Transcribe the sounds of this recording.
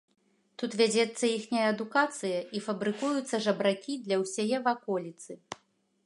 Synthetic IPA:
t̪ut̪vʲad͡zʲɛt̪sːɐixnʲijɐɐd̪ukat̪sɨjɐifɐbɾɨkujut̪sːɐʐɐbɾakʲid̪lʲɐwsʲajɛvakɔlʲit̪sɨ

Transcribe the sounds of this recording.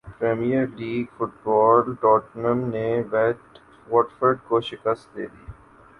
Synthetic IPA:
pɾeːmijəɾliːɡfʊʈbɔːlʈɔːʈnəmneʋɛʈ | ʋɔːʈfəɾɖkoʃɪkəst̪̚d̪eːd̪i

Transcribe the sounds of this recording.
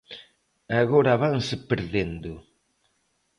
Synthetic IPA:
aɣoɾaβaŋsɪpeɾðend̪ʊ

